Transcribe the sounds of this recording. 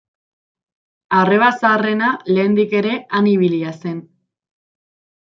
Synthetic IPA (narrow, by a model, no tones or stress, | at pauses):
are̞βasaːre̞nale̞ːnd̪ike̞ɾe̞aniβ̞iliase̞n